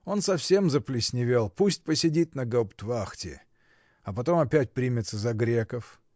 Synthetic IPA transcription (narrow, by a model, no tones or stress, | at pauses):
o̞nsɐfsʲe̞mzəplʲɪsʲnʲɪvʲelˠpusʲt̚ʲpəsʲɪdʲit̪ʲnəɡɐpt̪vaxtʲɪ̰ | ɐpɐt̪o̞mɐpʲætʲpɾʲimʲɪt̪səzɐɡɾʲekəf